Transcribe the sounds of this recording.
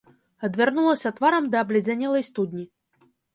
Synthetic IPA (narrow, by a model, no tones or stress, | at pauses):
ɐd̪vʲarnulˠɐsʲɐt̪vaɾɐmd̪ɐːblʲɛd͡zʲanʲɛlˠɐjst̪ud̪ʲnʲi